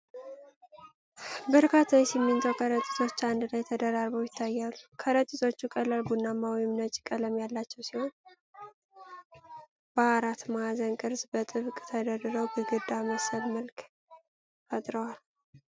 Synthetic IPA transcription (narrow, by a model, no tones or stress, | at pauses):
bəɾkʰat̪ʰːajsimːɨnt̪ʰəwkʰəɾət̪ʼi̥t̪ʰo̞t͡ʃːand̪ɨlajt̪ʰəd̪əɾaɾβəwjɪt̪ʰːajːalːukʰəɾət̪ʼːit̪ʰo̞t͡ʃːukʼəlːalɡunːamːawjɛmnət͡ʃʼi̥kʼələmjalːat͡ʃːɛwsiho̞n | b̥əaɾat̪mazənkʼɨɾzbət̪ʼɨβkʼt̪ʰəd̪ərɨɾəwbɨɡɨd̪aməsəlməlkʰʼ | ad̪ɾəwal